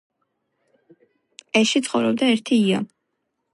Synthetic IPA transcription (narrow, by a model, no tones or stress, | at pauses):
ɛʃit̪sχɔvɾɔb̚d̪aɛɾt̪ʰiːa